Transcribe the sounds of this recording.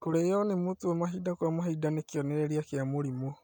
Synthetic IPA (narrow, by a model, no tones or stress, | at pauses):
koɾejɔnemotoemaɦidakwamaɦidanekeɔnɛɾɛɾiakeamoɾimo